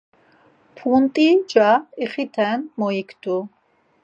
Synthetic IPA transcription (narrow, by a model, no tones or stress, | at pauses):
pʰunt̪ʼid͡ʒaiχit̪ʰɛnmɔikʰd̪ʰu